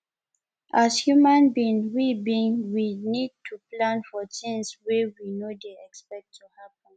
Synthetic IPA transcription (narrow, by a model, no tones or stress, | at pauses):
ʔashjumãnbĩnwibĩŋwinid̚tʰuplãnfɔtĩnswewinodeɛkspɛk̚tʰːuhapə̃n